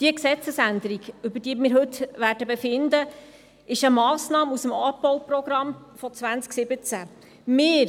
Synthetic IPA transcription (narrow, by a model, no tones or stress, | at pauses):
d̥iəksɛt͡səsænd̪əɾiɡʉbədiəmɪːɾɦɵt̪ʋæːɾdəbefɪnd̪ə | ɪʃəmɑːsnɑːmusəmɑːbɔwprɔɡɾɑmfɔt͡sʋænt͡sksɪbət͡sæ | mɪːɾ